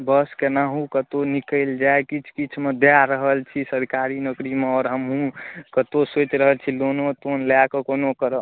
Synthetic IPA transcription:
bəskenaɦũkət̪onikəld͡ʒaekit͡ʃʰkit͡ʃʰmed̪eaɾəɦəlt͡ʃʰisəɾkaɾinəɡɾimeɔːɾɦəmɦũkət̪osot͡ʃɾəɦəlt͡ʃʰilonot̪onlakekonokəɾə

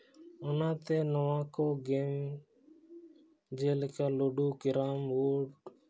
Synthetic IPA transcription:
ʊnãːt̪eːnəʋãːkoːɡeːm | d͡ʒeːlkaːloːɖuːkɪɾaːmʋoːɖ

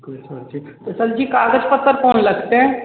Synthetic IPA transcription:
ksɐd͡ʒit̪ɐsəld͡ʒiːkaːɡəd͡ʒpɐɾt̪ːəɾkɔːnlɐɡt̪eɦɛ̃ː

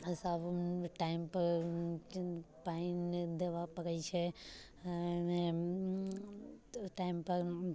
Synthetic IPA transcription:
saːbʈaːɪmpɐɾ | paind̪eʋapɐɡəit͡ʃʰe | mẽ | ʈaːɪmpɐɾ

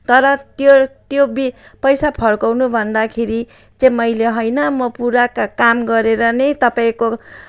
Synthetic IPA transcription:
t̪ʌɾʌt̪jot̪jobipʌjsapʰʌrkʌwnubʱʌnd̪akʰeɾi | t͡sẽmʌjleɦojnʌmʌpuɾakakamɡʌɾeɾʌnet̪ʌpaĩko

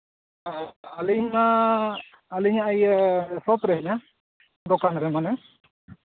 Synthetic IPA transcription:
aliɲmaː | liɲaːjsɔpɾɛɦɛɲa | d̪ɔkanɾɛmanɯ

